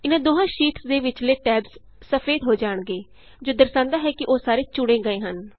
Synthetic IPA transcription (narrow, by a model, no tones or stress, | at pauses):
ɪnãːd̪oːɦãːʃiːʈsd̪eːʋɪt͡ʃleːʈɛːbz | səpʰeːd̪ɦoːd͡ʒaːɳɡeː | d͡ʒoːd̪əɾsãːnd̪aːɦɛːkɪʔoːsaːɾeːt͡ʃʊɽẽːɡəẽːɦən